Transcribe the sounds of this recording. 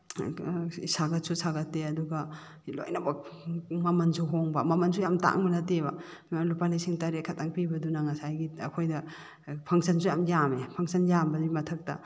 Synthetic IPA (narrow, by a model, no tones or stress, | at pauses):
saɡɐt̚susaɡɐtːeɐduɡɐ | lo̰jnɐbɐmɐmɐnsuɦoŋbɐmɐmɐnsujamta̰ŋbɐnɐtebɐ | alupalisiŋtɐɾekʰɐtaŋpibɐdunaŋɐsajɡiɐ̰kʰojdɐ | pʰɐŋsɐnsujamjamepʰɐŋsɐnjambɐdimɐtʰɐk̚tɐ̰